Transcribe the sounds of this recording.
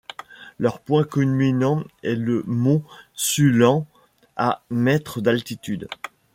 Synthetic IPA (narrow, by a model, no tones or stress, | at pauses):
lœʁpwɛ̃kylminɑ̃ɛləmosylɑ̃ | amɛt̪χəd̪alt̪it̪yd̪